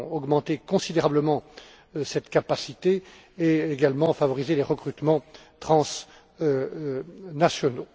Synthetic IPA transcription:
ɔɡmɑ̃t̪ekɔ̃sid̪eʁabləmɑ̃ | sɛt̪kapasit̪e | eeɡalmɑ̃favɔʁizeleʁəkχyt̪mɑ̃ | t̪χɑ̃s | nasjɔno

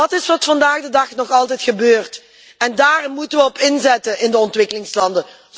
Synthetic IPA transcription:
ɑtɪsʋɑtfɑndaːɣdədɑχnɔχɑlˠtɛjtχəbøːrt | ɛndaːrɪmmːutənʋəɔpɪnzɛtənʔɪndəɔntʋɪkəlɪŋslɑndə

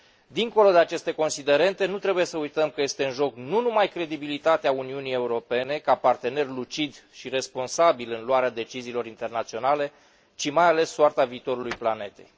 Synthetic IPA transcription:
d̪iŋko̞lo̞d̪e̞at͡ʃe̞st̪e̞ko̞nsid̪e̞ɾe̞nt̪e̞nut̪ɾe̞buje̞səujt̪əmkəje̞st̪e̞ɨnʒo̞knunumajkɾe̞d̪ibilit̪at̪eauniunije̞uɾo̞pe̞ne̞kapart̪e̞ne̞rlut͡ʃid̪ʃire̞spo̞nsabilɨnluaɾead̪e̞t͡ʃiziːlo̞ɾint̪e̞rnat̪sio̞nale̞ | t͡ʃimajale̞sːoart̪aviːt̪o̞ɾulujplane̞t̪e̞̰j

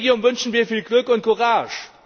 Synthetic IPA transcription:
ɡjonvʏnʃn̩viːɐfiːlɡlʏkʊnt̚kʰʊʁaːʃ

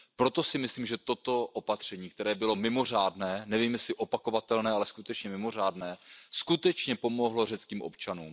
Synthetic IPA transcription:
pɾo̞t̪o̞sɪmɪsliːmʒɛt̪o̞t̪o̞ʔopat̪r̝̥ɛɲiːkt̪ɛɾɛːbɪlo̞mɪmo̞r̝aːdnɛːnɛviːmjɛslɪʔopako̞vat̪ɛlnɛːalɛskut̪ɛt͡ʃɲɛmɪmo̞r̝aːdnɛːskut̪ɛt͡ʃɲɛpo̞mo̞ɦlo̞r̝ɛt͡skiːmʔo̞̰pt͡ʃanṵːm

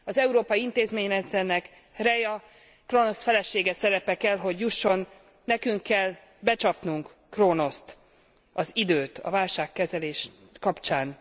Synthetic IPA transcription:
ɒzɛuɾoːpɒiint̪eːzmeːɲɛt̪zɛrnɛk | rɛjɒ | krono̞sfɛlɛʃeːɡɛsɛɾɛpɛkɛlɦo̞ɟjuʃːo̞nː | ɛkyŋkːɛl | bɛt͡ʃɒpnuŋk | krono̞st̪ | ɒzid̪øːt̪ʰɒ̰vaːlʃaːkːɛzɛleːʃ | kɒpt͡ʃaːn

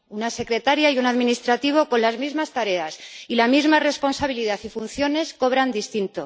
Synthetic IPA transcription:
unase̞kɾe̞t̪aɾjaiunaðminist̪ɾat̪iβ̞o̞ko̞nlazmizmast̪aɾe̞asilamizmare̞spo̞nsaβ̞iliðaθifunθjo̞ne̞sko̞β̞ɾand̪ist̪int̪o̞

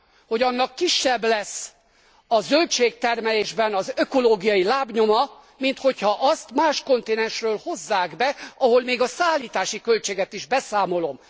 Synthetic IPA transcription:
ho̞ɟɒnːɒkːiʃːɛblɛs | ɒzølt͡ʃeːk̚t̪ɛrmɛleːʒbɛnɒzøko̞loːɡijɒjilaːbɲo̞mɒ | mint̪ho̞chɒʔɒst̪maːʃko̞nt̪eːnɛnʃrøːlho̞zːaːɡbɛɒɦo̞lmeːɡɒsaːlːiːt̪aːʃikø̞lt͡ʃeːɡɛt̪iʒbɛsaːmo̞lo̞m

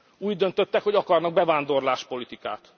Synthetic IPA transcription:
uːɟd̪ønt̪øt̪ːɛkhoɟɒkɒrnɒɡ̚bɛvaːnd̪o̞rlaːʃpo̞lit̪ika̰ːt̪

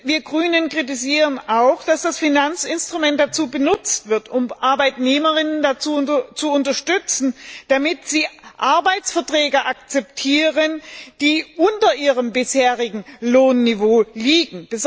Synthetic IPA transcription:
viːɐɡʁyːnənkʁ̥ɪt̬ɪziːʁənaʊxd̥asd̥asfinant͡sɪnstʁ̥ʊmɛnt̚d̥at͡suːbənʊt͡stv̥ɪɐtʊmʔaɐbaɪtneːməʁɪnəndat͡suːt͡suʊntɐʃtʏt͡sn̩d̥amɪtz̥iːʔaɐbaɪt͡sfɛɐtʁ̥ɛːɡɐʔakt͡sɛp̚tʰiːʁənd̥iːʔʊntɐʔiːʁəmbɪsheːʁɪɡŋ̩loːnːivoːliːɡŋ̩b̥əz

